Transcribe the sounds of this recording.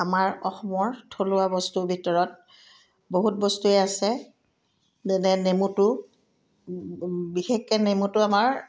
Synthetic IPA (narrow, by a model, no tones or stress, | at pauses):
amaɹɔxɔmɔɹtʰolʊabɔstubʱitɔɹɔt̚ | boɦut̚bɔstuɛasɛ | zɛnɛnemutʊ | bixekːɛnemutʊamaɹ